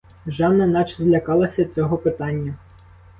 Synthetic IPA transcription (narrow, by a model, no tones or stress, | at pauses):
ʒɑnːɐnɑt͡ʃzlʲɐkɑlˠɐsʲɐd̪t͡sʲɔɦɔpɪt̪ɑnʲːɐ